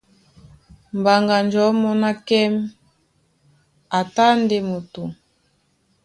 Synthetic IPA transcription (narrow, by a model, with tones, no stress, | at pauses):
m˨ba˨ŋɡa˨nd͡ʒɔ˨˦mɔ˦na˦kɛ˦m | a˨ta˦nde˨mo˨tu˨